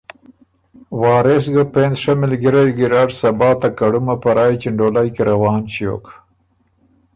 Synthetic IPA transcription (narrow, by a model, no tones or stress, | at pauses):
wɑːɾes̬ɡapenzʂamɪlɡiɾajɡɪɾaɖsabɑːt̪akaɽumapaɾɑːjt͡ʃɪɳɖolajkeɾawɑːnt͡ʃijo̰k